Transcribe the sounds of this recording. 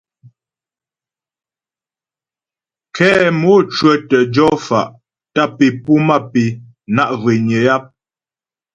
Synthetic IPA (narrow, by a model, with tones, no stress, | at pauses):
kʰɛ˦mɔ˦t͡ʃɥə˦˨tə˨d͡ʒɔ˦fa˨ʔ | ta˦˨pi˨pu˦ma˦˨pi˨ | na˦ʔve˨ɲə˨ja˦p̚